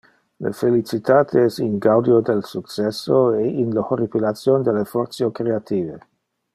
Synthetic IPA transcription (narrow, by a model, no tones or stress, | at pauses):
lə̰felit͡ʃit̪aːt̪ʰeɛsiŋɡawd̪jod̪elsukt͡ʃɛsːoeinlahoɾipilat̪sjond̪elːefɔrsjokɾeat̪iːve